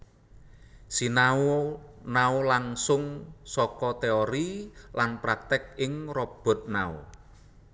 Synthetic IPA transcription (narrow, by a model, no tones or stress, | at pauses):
sinaonaolaŋsʊŋsɔkɔt̪eɔɾilanpɾak̚t̪ɪk̚ɪŋrɔb̥ɔ̤t̪̚nao̰